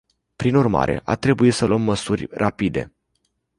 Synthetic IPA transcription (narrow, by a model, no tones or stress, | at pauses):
pɾinurma̰ɾʔe̞̰ʔat̪ɾe̞buit̪səluəmːəsurʲrapid̪e̞̰